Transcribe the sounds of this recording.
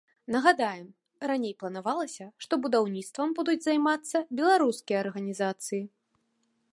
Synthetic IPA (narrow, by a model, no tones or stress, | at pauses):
nɐɣad̪ajɛm | ranʲejplˠɐnavalˠɐsʲɐʂt̪ɔbud̪awnʲit̪st̪vɐmbud̪ud͡zʲzajmat̪sːɐbʲɛlˠaɾuskʲijɐɐrɣɐnʲizat̪sɨji